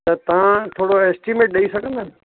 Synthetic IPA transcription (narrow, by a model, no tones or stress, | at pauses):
t̪ɐt̪ɐʋãt̪ʰoːɽoɛːsʈimeːʈ̚ɗɐisɐɡʱə̃nd̪ʱaːnɪ̆